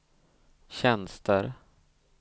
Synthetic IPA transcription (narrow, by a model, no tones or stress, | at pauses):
ɕɛnst̪ʰəɾ